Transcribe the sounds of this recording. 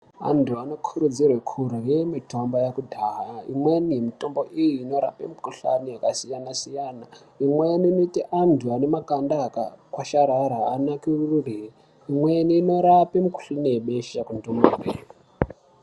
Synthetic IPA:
a̰ntʰuano̞kʰuɾud͡zirwekʰurujemito̞mbajakudʱaːɦaḭmwenimito̞mbo̞ʔijiːno̞ɾa̰pḛmikuɬa̰niakasijanasijana | imweniːnoitiʔantʰuane̞makandaka̰kwaʃaɾaɾaːnakirururii | imwe̞niːno̞ɾapemiku̥ɬanijeɓeʃakundumaɓeːri

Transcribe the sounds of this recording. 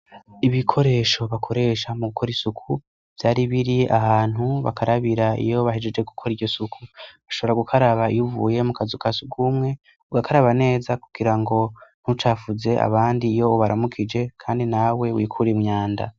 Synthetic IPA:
iβikʰo̞ɾe̞ːʃo̞βakʰo̞ɾe̞ːʃamuɡukʰo̞ɾisukʰu | v̥jaːɾiβiɾia̰haːn̥huβa̰kaɾaβiɾaḭjo̞βahed͡ʒed͡ʒweɡukʰo̞ɾiɾɟosukʰuβaʃo̞βo̞ɾaɡukʰaɾaβaijuvṵːje̞mukazukʰasuɡumŋe̞ | uɡakʰaɾaβane̞ːzakuɡ̥iɾaŋɡo̞n̥hut͡ʃaːfuze̞ʔa̰βaːndijo̞βaɾamukʰid͡ʒe̞kʰaːndinawe̞wiːkʰuɾemɲaːnda̰

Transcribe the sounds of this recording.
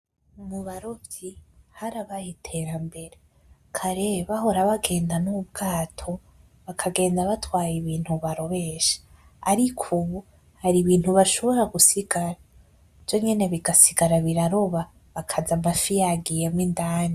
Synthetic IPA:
muβaɾobjihaɾaβajitʰe̞ɾambe̞ɾe | kʰaɾeβaho̞ɾaβaɡe̞ːndanubɡaːtʰo̞ | βakʰaɡe̞ːndaβatwaːjiβiːn̥huβaɾo̞βe̞ːʃḁ | a̰ɾikʰuβu | haɾiβiːn̥huβaʃo̞βo̞ɾaɡusiɡaɾa | v̥jo̞ɲe̞ne̞βiɡasiɡaɾaβiɾaɾo̞βa | βakʰazamafijaɡijemwindaːni

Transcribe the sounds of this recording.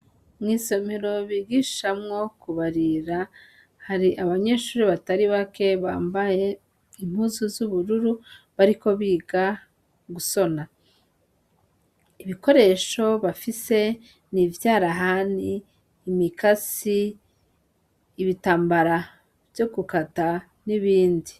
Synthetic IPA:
mŋiːso̞me̞ɾo̞βiɡiʃʃamŋo̞kuβaɾiɾa | haɾiʔaβaɲe̞ːʃuːɾiβataɾiβake̞βaːmbaje̞ | im̥huːzuzuβuɾuɾuβaɾiko̞βiːɡa | ɡuso̞na | iβiko̞ɾe̞ʃo̞βafise̞ | nivjaːɾaɦaniː | mikasi | βitaːmbaɾa | vjo̞ɡukata | niβiːndi

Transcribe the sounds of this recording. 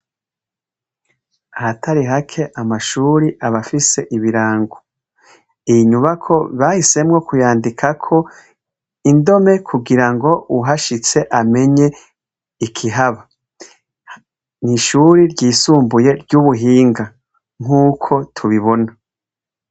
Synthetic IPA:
ahatʰaɾiɦakʰe̞ʔamaʃuːɾiʔaβafise̞ʔiβiɾaːŋɡo | ijiɲuβakʰo̞βahise̞mŋo̞kujaːndikʰakʰo̞ | indo̞me̞kʰuɡiɾaŋɡo̞uɦaʃit͡se̞ʔame̞ɲe̞ | ikʰiɦaβa | niʃuɾiɾɟiːsuːmbuje̞ɾɟuːβuɦiːŋɡa | ŋ̥uːkʰo̞tʰuβiβo̞na

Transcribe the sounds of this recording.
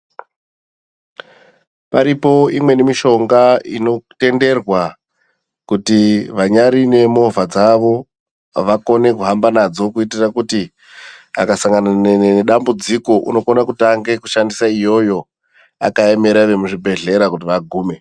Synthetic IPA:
paɾipo̞imwe̞nemiʃo̞ŋɡaḭno̞te̞nde̞rwa | kutiʋaɲaɾine̞mo̞vʱad͡zaʋo̞ | ʋako̞ne̞kuɦambanad͡zo̞kuitirakuti | a̰kasaŋɡananeneneɗambud͡ziko̞ʔṵno̞konakutaŋɡe̞kuʃandisaijo̞jo̞ | a̰kaeme̞ɾaʋe̞muʐibʱe̞ɮe̞ɾakutiʋaɡʱuːme̞

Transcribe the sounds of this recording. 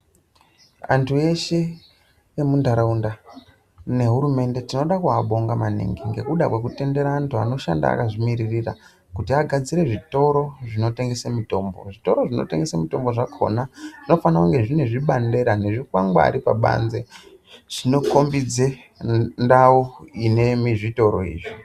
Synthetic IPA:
a̰ntʰue̞ʃe | jemundaɾaunda | ne̞ɦuɾume̞nde̞tino̞ɗakuaɓo̞ŋɡamanḭŋɡiŋɡe̞kuɗakwe̞kute̞nde̞ɾaːntua̰no̞ʃa̰nda̰a̰kaʐimiɾirira̰ | kutiaɡʱad͡ziɾe̞ʐito̞ɾo̞ʐino̞te̞ŋɡe̞semito̞mbo̞̰ʐito̞ɾo̞ʐino̞̰te̞ŋɡe̞semito̞mbo̞ʐakʰo̞̰naʐ̥ino̞fanakuŋɡe̞ʐineʐiɓande̞ɾane̞ʐikwaŋɡwa̰ɾipa̰ɓa̰nze̞ | t͡ʃino̞ko̞mbid͡ze | ndauine̞miʐito̞ɾo̞̰ḭːʐi

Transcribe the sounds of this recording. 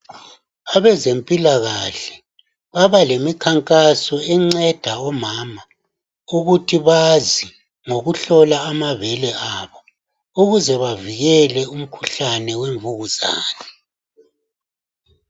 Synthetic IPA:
aβɛzempʼilaɣaɬɛ̥ | βaβalemikʰaŋkʼasɔɛŋ͡ǀɛd̥ʱaɔmaːma | uɣutʰiβazi | ŋoɣuɬɔlaːmavɛlɛaβɔ | uɣuzɛβaviɣɛlɛum̩kʰu̥ɬanɛweɱvuɣuza̰ːnɛ

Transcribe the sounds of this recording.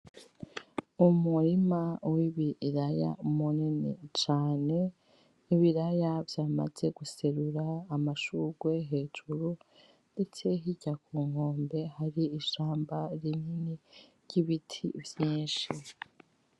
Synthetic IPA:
umuɾimawiβiɾaja̰umuninḭt͡ʃaːne̞ | iβiɾajavjaːma̰ze̞ɡuseɾuɾaːmaʃuɡ̥we̞ɦe̞ːd͡ʒuɾu | nde̞t͡se̞ɦiɟakuːŋ̥ho̞ːmbe̞haɾiːʃaːmbaɾininiɾɟiβitʰḭvjiːnʃi

